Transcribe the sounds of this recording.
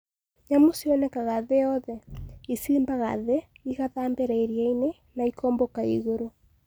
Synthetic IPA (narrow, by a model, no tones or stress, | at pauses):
ɲamosiɔnɛkaɣaðejɔðɛisiːmbaɣa̰ðeiɣaðaːmbeɾaiɾiaine | naikɔːmbɔkaḭɣoɾo